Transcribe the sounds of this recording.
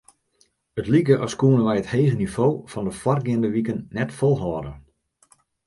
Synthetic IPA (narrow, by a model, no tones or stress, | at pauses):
ətlik̬əʔɔskuənənʋɛjətheːɣənivoːfɔndəfwɔrɡɪəndəʋikənːɛtfolˠɦɔːdə